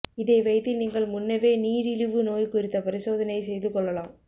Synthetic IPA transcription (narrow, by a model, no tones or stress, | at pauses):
ɪðeːʋɐɪt̪ːɪniːŋɡɐɭmʊnːɐʋeːniːɾɪɻɯʋɯnoːjkʊrɪt̪ːɐpɐɾɪsoːðɐnɐɪsɛjðɯkːɔɭːɐlaːm